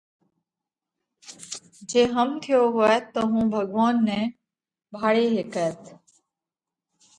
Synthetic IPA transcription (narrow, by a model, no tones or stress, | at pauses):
d͡ʒeːɦəmt̪ʰɪjoːɦʊeːt̪oːɦũːbʱəɡʋaːnːɛ̃ː | bʱaːɽeːɦeːkəːt̪